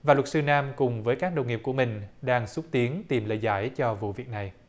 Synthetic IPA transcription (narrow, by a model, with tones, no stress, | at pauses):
vaː˨˩lwə˩t̚sɨ˧naː˧mkʊ˨˩ŋ͡mvəː˨˦jkaː˦˥k̚ɗə˨˩wŋ͡mŋi˨˩əp̚ku˧˩əmï˨˩ŋ̟ɗaː˧ŋsu˦˥t̚t̪i˨˦ənt̪i˨˩mlə̰ː˧˨jza̰ː˧˩jt͡ɕɔ˧vṵ˧˨vi˨˩ək̚na˨˩j